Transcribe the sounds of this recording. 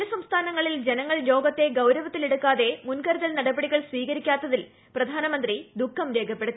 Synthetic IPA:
ɐsɐmst̪ʰaːnɐŋːɐɭild͡ʑenɐŋːɐɭjo̞ːɡɐt̪ːe̞ɡɐwɾɐʋɐt̪ːileɽukːaːðe̞munkɐɾuðɐlnɐɽɐbɐɽiɣɐɭsʋiːɣɐɾikʲːaːt̪ːɐðil | prɐd̪ʱaːnɐmɐnd̪rid̪ukʰːɐmɾeːɡʰʱɐpːeɽut̪ːi

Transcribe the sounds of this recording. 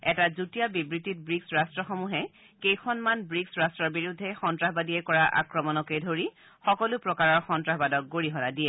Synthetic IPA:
ɛtazutijabibɹitit̚bɹiksɹastɹɔxɔmuɦɛ | kejkʰɔnmanbɹiksɹastɹɔɹbiɹudʱːɛxɔntɹaɦbadiɛkɔɹaʔa̰kɹɔmɔnɔkejdʱoɹi | xɔkɔlʊpɹɔkaɹɔɹxɔntɹaɦbadɔk̚ɡoɹiɦɔnadiɛ

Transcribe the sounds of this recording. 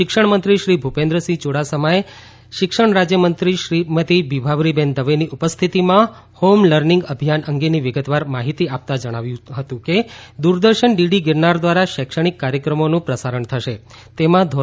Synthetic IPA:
ʃɪkʂəɳmənt̪ɾiʃɾibʱupẽnd̪ɾəsit͡ʃoɽasəmae | ʃɪkʂəɳɾad͡ʒjəmənt̪ɾiʃɾimət̪ibibʱaʋɾibɛnd̪əʋeniʔupəst̪ʰit̪imã | homləɾniŋɡəbʱijanəŋɡeniʋɪɡət̪ʋaɾmaɦit̪iap̚t̪ad͡ʒəɽ̃aʋjũɦət̪ũked̪uɾd̪əɾʃəɳɖiɖiɡɪɾnaɾd̪ʋaɾaʃəkʃəɽ̃ikːaɾjəkɾəmonũpɾəsaɾəɳt̪ʰəʃe | t̪emãd̪ʱo

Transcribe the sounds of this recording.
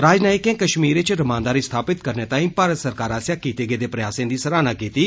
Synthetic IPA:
ɾaːd͡ʒnaːɪkẽːkəʃmiːɾɪt͡ʃɾɐmãːnd̪aːɾist̪ʰaːpɪt̪kəɾneːt̪aːĩːpaːɾət̪səɾkaːɾaːsjaːkiːt̪eːɡeːd̪eːpɾɐjaːsẽːd̪iːsəɾaːnaːkiːt̪iː

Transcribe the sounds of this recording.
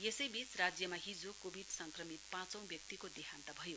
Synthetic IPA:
jesʌjbit͡srad͡zjʌmaɦid͡zokobʱiɖsʌŋkrʌmit̪̚pãt͡sʌ̃w̃bjʌk̚t̪ikod̪eɦãnt̪ʌbʱʌjo

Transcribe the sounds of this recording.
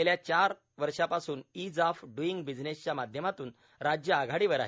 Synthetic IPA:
eljat͡ɕaɾ | ʋəɾʂapasuːnid͡zafɖuiŋɡbid͡znest͡ɕjamad̪ʱjəmat̪uːn | ɾad͡ʑjəaɡʱaɽiʋəɾa̰ɦe

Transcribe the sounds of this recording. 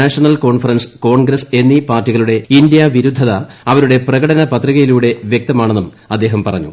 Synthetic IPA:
aːʂɐɳɐlko̞ːɳfɐrɐnsko̞ːɳɡɾɐse̞nːipaːrtːiɣɐɭuɽe̞indjɐʋiɾud̪ʱːɐðɐɐʋɐɾuɽe̞prɐɣɐɽɐnɐpɐt̪riɣɐjiluːɽe̞ʋjek̚t̪ɐmaːɳenːum | ɐd̪ːe̞ːɦɐmpɐrɐ̰ɲːṵ

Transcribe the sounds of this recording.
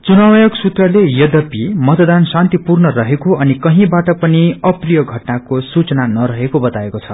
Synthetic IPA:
t͡sunawjʌksut̪rʌlejʌd̪ʌpimʌt̪d̪ansant̪ipurnʌrʌɦekoʌnikʌɦĩbaʈʌpʌniʌprijʌɡʱʌʈnakosut͡sʌnanʌɾʌɦekobʌt̪aekot͡sʰʌ̰

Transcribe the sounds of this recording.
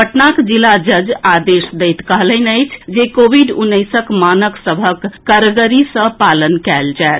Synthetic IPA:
bəʈnakd͡ʒilːad͡ʒəd͡ʒad̪esd̪əjt̪kəɦləɪnəjt͡ʃʰd͡ʒekobʱiɖunːəjsəkmanəksəbʱəkːəɾɡəɾisə̃palənkɛld͡ʒaet̪

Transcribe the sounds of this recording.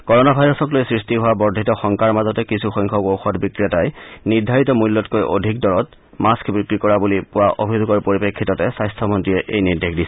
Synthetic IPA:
kɔɹɔnabʱajɹɔsɔklojsɹistiɦʊwabɔɹdʱitɔxɔŋkaɹmazɔtɛkisʰuxɔjŋkʰɔɡowxɔtbikɹiatajniɹdʱaɹitɔmulːɔtkojʔo̰dʱikdɔɹɔt | maskbɹikɹikɔɹabulipʊwaʔobʱizoɡɔɹpoɹipekʰːitɔtɛsajstʰɔmɔntɹiɛʔejniɹdexdisɛ̥

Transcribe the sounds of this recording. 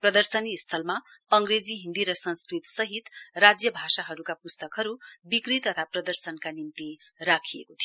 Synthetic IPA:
prʌd̪ʌrsʌnist̪ʰʌlma | ʌŋɡred͡ziɦĩnd̪iɾʌsʌ̃nskrit̪sʌɦit̪rad͡zjʌbʱasaɦʌɾukapust̪ʌkɦʌɾubikrit̪ʌt̪ʰaprʌd̪ʌrsʌnkanimt̪i | ɾakʰijekot̪ʰijo

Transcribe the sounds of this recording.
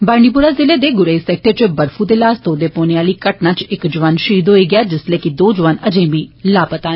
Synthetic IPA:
baːɾɳɖiːp̬ʊɾaːzɪleːd̪eːɡʊɾəːiːsɛːk̚ʈəɾt͡ʃəbəɾfʰuːd̪eːlaːst̪oːd̪eːpoːneːaːliːkəʈnaːt͡ʃɪkd͡ʒʊʋaːnʃiːd̪ɦoːiːɡɪjaːd͡ʒɪsleːkɪd̪oːd͡ʒʊʋaːnəd͡ʒẽːbiːlaːpət̪aː

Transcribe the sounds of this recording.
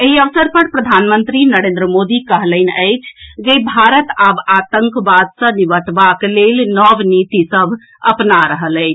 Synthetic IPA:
eɦiəʋsəɾpəɾpɾəd̪ʱanmənt̪ɾinəɾẽnd̪ɾəmod̪ikəɦləɪnəjt͡ʃʰd͡ʒebʱaɾət̪abat̪əŋkbad̪sə̃niʋəʈbaklelnɔʋnit̪isəbʱ | ə̰pnaɾəɦələɪt͡ʃʰ

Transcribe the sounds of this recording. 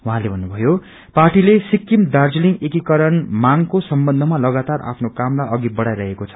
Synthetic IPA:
uɦãlebʱʌnːubʱʌjo | parʈilesikːimd̪ard͡zliŋekikʌɾʌnmaŋkosʌmbʌnd̪ʱʌmalʌɡat̪ara̰pʰnokamlajʔʌɡibʌɽajɾʌɦekot͡sʰʌ̥

